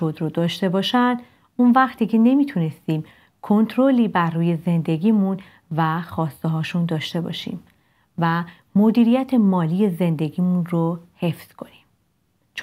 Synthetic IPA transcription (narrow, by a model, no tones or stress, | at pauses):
od̪ɾod̪ɒːʃt̪e̞bɒːʃænd̪ | unvæχt̪ʰiːcʰe̞ne̞miːt̪ʰune̞st̪iːm | kʰo̞nt̪ʰɾoliːbæɾːuːje̞ze̞nd̪e̞ɡiːmun | væxɒːst̪eɦɒːʃund̪ɒːʃt̪e̞bɒ̰ʃḭm | væ | mo̞d̪iːɾijæt̪ʰe̞mɒːliːje̞ze̞nd̪e̞ɡiːmunrohe̞fz̥kʰo̞nim | t͡ʃʰ